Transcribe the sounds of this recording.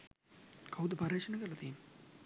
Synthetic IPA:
kʰawud̪əpaɾeːʂənɐkəɾlːɐt̪iːn

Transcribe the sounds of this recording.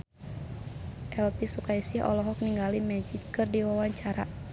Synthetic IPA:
ʔɛlpisukaisɪhɔ̰lɔɦɔk̚niŋɡalimɛd͡ʒitkɨrdiwawaɲt͡ʃaɾa̰

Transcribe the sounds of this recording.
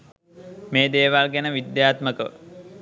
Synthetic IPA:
meːd̪eːʋalɡænəʋid̪jaːt̪məkə

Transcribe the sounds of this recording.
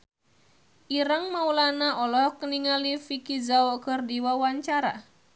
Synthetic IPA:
ʔiɾəŋmaulanaʔɔlɔhkəniŋalifikizaɔkərdiwawaɲt͡ʃaɾa̰

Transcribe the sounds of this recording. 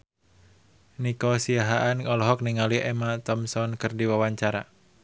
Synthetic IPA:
nikɔsiaɦaʔankɔlɔɦɔk̚niŋaliʔɛmat̪ɔmsɔnkɨrdiwawaɲt͡ʃaɾa̰

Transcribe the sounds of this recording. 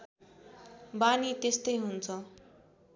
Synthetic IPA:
banit̪est̪ʌjɦunt͡sʰʌ

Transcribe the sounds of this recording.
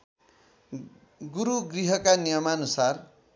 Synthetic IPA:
ɡuɾuɡriɦʌkanijʌmanusar

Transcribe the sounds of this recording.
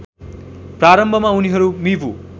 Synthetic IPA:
praɾʌmbʱʌmauniɦʌɾumibʱu

